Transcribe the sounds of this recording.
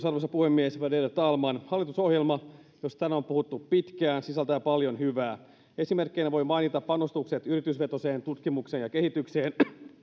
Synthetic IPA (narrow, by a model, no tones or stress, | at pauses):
sɑrʋosɑpuhemːiesʋɑdert̪ɑlmɑnhɑlːit̪uso̞hjelmɑ | jost̪ænæompuhut̪ːuppit̪kæːnsisælt̪æːpɑljo̞nhyʋæː | e̞simerkːeinæʋo̞jmɑjnit̪ɑppɑnost̪ukset̪yrit̪ysʋe̞t̪o̞seːnt̪ut̪kimukseːnjɑkehit̪ykseːn